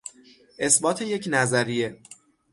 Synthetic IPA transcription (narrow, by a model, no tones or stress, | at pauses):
ʔe̞sbɒːt̪ʰe̞je̞cnæzæɾije̞